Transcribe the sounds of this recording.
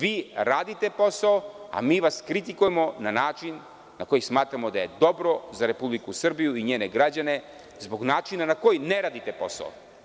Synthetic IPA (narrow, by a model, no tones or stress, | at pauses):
ʋiːɾaːd̪it̪e̞po̞saoa̰miːʋaskɾit̪ikujemo̞nanaːt͡ʃinː | ako̞jismaːt̪ɾamo̞d̪aje̞d̪o̞bɾo̞zaɾe̞publikusr̩bijuiɲeːneɡɾad͡ʑane̞ | zbo̞ɡnaːt͡ʃinanako̞jineɾaːd̪it̪e̞po̞̰sa̰o̰